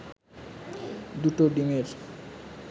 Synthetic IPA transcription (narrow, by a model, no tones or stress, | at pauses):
d̪uʈoɖimeɾ